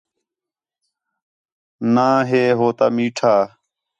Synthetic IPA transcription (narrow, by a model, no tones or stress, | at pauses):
naːɦeːɦoːt̪aːmiːʈʰaː